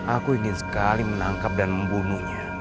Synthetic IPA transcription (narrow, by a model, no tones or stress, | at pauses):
akuinizkalim̩naŋkab̚danm̩bunuɲa